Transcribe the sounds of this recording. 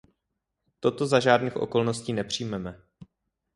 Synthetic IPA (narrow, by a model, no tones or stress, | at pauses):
t̪o̞t̪o̞zaʒaːdniːxʔo̞̰ko̞lnosciːnɛpr̝̥ijmɛmɛ